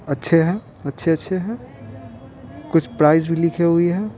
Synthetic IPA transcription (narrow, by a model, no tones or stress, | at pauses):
ətːʃʰeɦɛ | ətːʃʰeətːʃʰeɦɛ | kʊt͡ʃʰpɾaɪzbʱilikʰeɦʊiɦɛ